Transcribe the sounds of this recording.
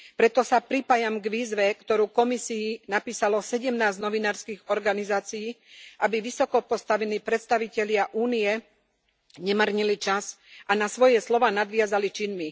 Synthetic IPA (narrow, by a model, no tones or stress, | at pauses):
pɾɛt̪ɔsapɾipaːjamɡʋiːzʋɛkt̪ɔɾuːkɔmisiːnapiːsalɔsɛɟɛmnaːznɔʋinaːɾskiːɣɔɾɡanizaːt͡sijiːʔabiʋisɔkɔpɔst̪aʋɛniːpɾɛt̪st̪aʋicɛʎɪaʔuːnijɛ | ɲɛmərɲilit͡ʃazʔanasʋɔjɛslɔʋaːnad̪ʋɪazalit͡ʃinmi